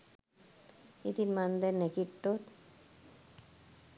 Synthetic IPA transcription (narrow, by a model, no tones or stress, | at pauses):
it̪inmand̪enekiʈːot̪